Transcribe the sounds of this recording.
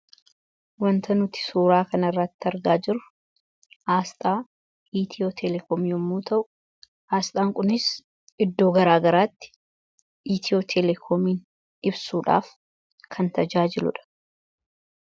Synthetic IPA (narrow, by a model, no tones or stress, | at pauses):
wɐnt̪ɐnʊt̪ɪ̥suːɾaːkɐnɐɪrːɐt̪ːɪɐɾɡaːd͡ʒɪɾʊ | ʔaːst̪ʼaː | iːt̪ʰɪot̪ʰɛlɛkɔmɔmːuːt̪ʰɐʔʊ | aːst̪ʼaːŋkʼʊnɪs | ʔɪd̪ːo̞ːɡɐɾaːɡɐɾaːt̪ːɪ̥ | ʔiːt̪ʰɪoːt̪ʰɛlɛkʰɔmiːn | ɪbsuːᶑa̰ːf | kʰɐnt̪ɐd͡ʒaːd͡ʒɪlʊ̰ᶑɐ̥